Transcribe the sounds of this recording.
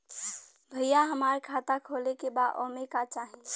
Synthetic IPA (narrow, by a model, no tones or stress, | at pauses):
bʱɐɪjaɦɐmaːɾekʰaːt̪akʰoːlekebaːd̪ʔɔ̰ːmekat͡ʃaːɦẽ